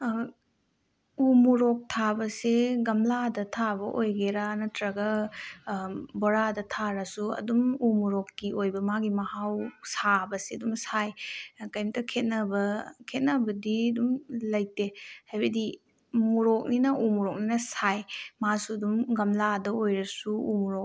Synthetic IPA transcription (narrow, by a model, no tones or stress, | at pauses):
umuɾok̚tʰabɐseɡɐmladɐtʰabɐʔojɡeɾanɐtɾɐɡɐ | boɾadɐtʰaɾɐsuɐ̰dumumuɾokːiojbɐmaɡimɐhawsabɐseɐdumsajkɐjmtɐkʰet̚nɐbɐkʰet̚nɐbɐdiɐdumlɐjtehajbɐdi | muɾok̚ninɐʔumuɾok̚ninɐsajmasuɐdumɡɐmladɐojɾɐsuṵmuɾok̚